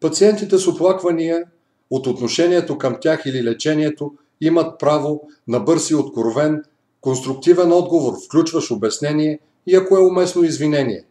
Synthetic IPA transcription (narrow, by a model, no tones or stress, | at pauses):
pɐt̪siɛnt̪it̪ɛsoplˠakvɐnijə | ot̪ot̪noʃɛnʲiɛt̪okɐmt̪ʲaxililɛt͡ʃɛnʲiɛt̪o | imɐt̪̚pɾavo | nɐbɤɾsiot̪koɾvɛn | konst̪ɾʊk̚t̪ivɛnɔd̪ɡovoɾfklʲut͡ʃvɐʃobɛsnɛniɛ | iɐkoɛomɛsnoizvinɛnḭɛ̰